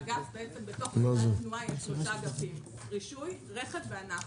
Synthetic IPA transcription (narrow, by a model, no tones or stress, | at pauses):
ɡasbeet͡sembeto̞χmazot̪nuajeʃmusaɡafim | ʁiʃujʁeχevveana